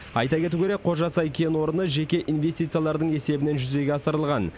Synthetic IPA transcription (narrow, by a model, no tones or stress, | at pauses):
ɑ̰jt̪ɑkʲʰe̞t̪ukʲʰe̞ɾe̞kkqʰo̞ʒɑsɑjkʲʰe̞nwo̞ɾənəʒe̞kʲe̞ʔinve̞st̪it̪sɨjalˠɑɾd̪əɴe̞se̞bɪne̞nʒʏze̞ɡʲeɑsəɾəlˠʁɑn